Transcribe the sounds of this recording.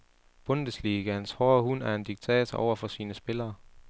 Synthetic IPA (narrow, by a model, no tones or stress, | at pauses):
b̥ɔ̽nd̥əsliːɡ̥æhænshɔːhun̰æɐe̝nd̥iɡ̥̚t͡sʰɛ̰ːt͡sʰɒʔɒʊɐfɒ̽siːnəsb̥e̝lɐː